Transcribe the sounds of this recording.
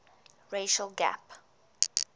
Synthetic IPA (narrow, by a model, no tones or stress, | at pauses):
ɹeʃəlɡæ̰p